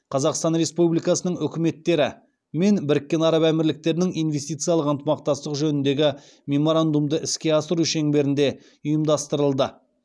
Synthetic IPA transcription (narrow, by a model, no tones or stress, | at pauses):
qʰɑzɑqst̪ɑnɾe̞spublijkɑsənəŋʏkʲɪme̞t̪ːe̞ɾɪ | me̞nbɪɾɪkʲːe̞nɑɾɑbæmɪɾlɪk̚t̪e̞ɾɪnɪŋijnve̞st̪ijt̪sɨijɑlˠəqənt̪əmɑq̚t̪ɑst̪əqʒɵnɪnd̪e̞ɡʲɪ | mʲe̞mo̞ɾand̪umd̪əʔɪskʲe̞ɑsəɾuʃe̞ŋbe̞ɾɪnd̪e̞ | ʊjəmd̪ɑst̪əɾəlˠd̪ə